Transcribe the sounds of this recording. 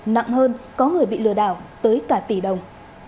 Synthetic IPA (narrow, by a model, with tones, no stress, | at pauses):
na̰˧˨ŋhəː˧nkɔ˨˦ŋɨ˨˩əjɓḭ˧˨lɨ˧˩əɗa̰ː˧˩˨wt̪əː˨˦jkaː˧˩t̪i˧˩ɗə˨˩wŋ͡m